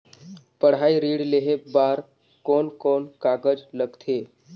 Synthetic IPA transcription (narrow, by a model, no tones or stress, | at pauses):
pəɽ̤ɦaːiɾiːɽleɦebaːɾ | kɔːnkɔːnkaːkəd͡ʒləɡt̪ʰeː